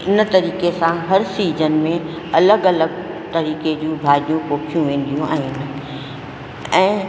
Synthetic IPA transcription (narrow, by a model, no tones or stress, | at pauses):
ɪnt̪ɐɾiːkesãɦɐɾsiːd͡ʑənɪ̆mẽ | ɐləɡɐləɡ | t̪ɐɾiːked͡ʑũːbʱaːɾijũpoːkʰijũʋẽːn̆d̪ijũʔa̰ːɦinɪ̆ | ɛ̃ː